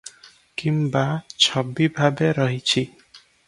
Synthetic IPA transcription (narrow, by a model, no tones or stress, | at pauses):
kimbat͡ʃʰɔbibʱabeɾʌɦit͡ʃʰi